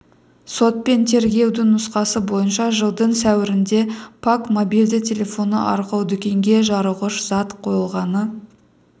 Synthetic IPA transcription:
so̞t̪̚pe̞nt̪ʰe̞ɾɡʲe̞wd̪ɪŋnʊsqɑsəbo̞jənʃɑʒəlˠd̪əɴsæwɪɾɪnd̪e̞pʰakmo̞bijld̪ɪt̪ʲʰe̞lʲe̞fo̞nə̰ʔɑɾqɑwd̪ʏkʲe̞ŋɡʲe̞ʒɑɾəʁəʃz̥ɑt̪qʰo̞jəlˠʁɑnə

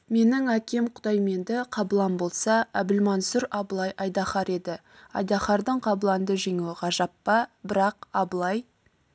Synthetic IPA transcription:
me̞nɪŋækʲe̞mqʰʊ̥d̪ɑjme̞nd̪ɪqʰɑbəlˠɑmbo̞lˠsɑæbɪlmɑnsʊɾɑbəlˠɑjʔɑjd̪ɑχɑɾe̞d̪ɪ | ɑ̰jd̪ɑχɑɾd̪əɴqʰɑbəlˠɑnd̪əʒe̞ŋewɪqɑʒɑpːɑbɪɾɑq̚ɑbəlˠɑj

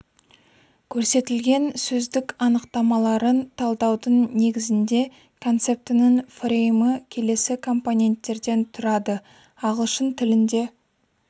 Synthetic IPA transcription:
kʲʰɵɾse̞t̪ɪlɡʲe̞nsɵzd̪ɪkɑnəqt̪ɑmɑlˠɑɾənt̪ʰɑlˠd̪ɑwd̪əɴne̞ɡʲɪzɪnd̪e̞ | kʰo̞nt̪se̞p̚t̪ɪnɪnfrʲejməkʲʰe̞le̞sɪkʰo̞mpo̞nʲe̞nt̪ːe̞ɾd̪e̞nt̪ʰʊɾɑd̪ə | ɑʁəlˠʃənt̪ʰɪlɪnd̪e̞

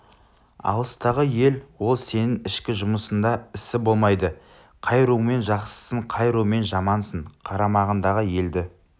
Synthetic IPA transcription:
ɑ̰lˠəst̪ɑʁəje̞lwo̞lˠse̞nɪŋɪʃkʲɪʒʊməsənd̪ɑɪsɪbo̞lˠmɑjd̪ə | qʰɑjɾuwme̞nʒɑqsə̥səɴqʰɑjɾuwme̞nʒɑmɑnsəɴqʰɑɾɑmɑʁənd̪ɑʁəje̞ld̪ɪ

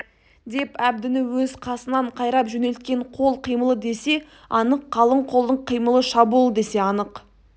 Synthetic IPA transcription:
d̪e̞pæb̚d̪ɪnɪwɵzqʰɑsənɑɴqʰɑjɾɑpʒɵne̞lt̪̚kʲe̞ɴqʰo̞lˠqʰijməlˠəd̪e̞se̞ | ɑnəqʰːɑlˠəɴqʰo̞lˠd̪əɴqʰijməlˠəʃɑbulˠəd̪e̞se̞ɑnəq

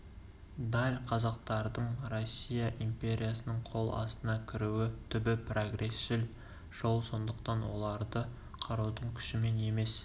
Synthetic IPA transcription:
d̪ɑlʲqʰɑzɑq̚t̪ɑɾd̪əɴro̞sʲːijɑʔimpʲe̞ɾʲijasənəɴqʰo̞lˠɑ̰st̪ənɑkʲʰɪɾuɪt̪ʰʏbɪproɡre̞sʒɪl | ʒ̥o̞lˠso̞nd̪əqt̪ɑnwo̞̰lˠɑɾd̪ə | qʰɑɾuwd̪əɴkʲʰʏ̥ʃɪme̞ne̞me̞s

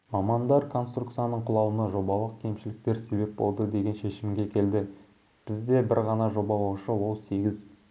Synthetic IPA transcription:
mɑmɑnd̪ɑɾkʰo̞nst̪rukt̪sijanəɴqʰʊlˠɑwənəʒo̞bɑlˠəq̚kʲʰe̞mʃɪlɪk̚t̪e̞ɾse̞be̞p̚bo̞̰lˠd̪əd̪e̞ɡʲe̞nʃe̞ʃɪmɡʲe̞kʲʰe̞ld̪ɪ | b̥ɪzd̪e̞bɪɾʁɑnɑʒo̞bɑwoʃəwo̞lˠse̞ɡʲɪz

